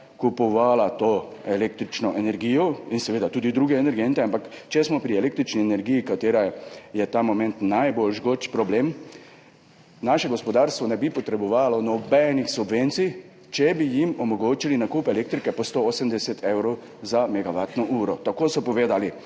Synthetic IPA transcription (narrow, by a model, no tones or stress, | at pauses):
kupɔʋaːlat̪oːelek̚t̪ɾit͡ʃnɔʔɛnɛɾɡijɔinsɛʋeːd̪at̪uːd̪id̪ɾuːɡɛɛnɛɾɡent̪ɛampakt͡ʃɛsmɔpɾiɛleːk̚t̪ɾit͡ʃniɛnɛɾɡijikat̪eːɾajɛt̪aːmɔmɛ̃nt̪najbolʒɡot͡ʃpɾɔbleːm | naːʃɛɡɔspɔd̪aːɾst̪ʋɔnɛbipɔt̪ɾɛbɔʋaːlɔnɔbɛnixsubʋent̪si | t͡ʃɛbijimɔmɔɡoːt͡ʃilinakuːpɛlek̚t̪ɾikɛpɔst̪ooːsəmd̪ɛsɛt̪ʰewɾow | zamɛɡaʋat̪nɔʔuːɾɔt̪akoːsɔpɔʋeːd̪ali